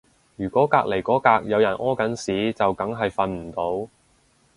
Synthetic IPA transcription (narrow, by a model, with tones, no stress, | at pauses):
jyː˨˩kʷɔː˨˥kaː˧k̚le˨˩jkɔː˨˥kaː˧k̚jɐ˨˧wjɐ˨˩nʔɔː˥kɐ˨˥nsiː˨˥t͡sɐ˨wkɐ˨˥ŋɦɐ˨jfɐ˧nm̩˨˩t̪o˨˥w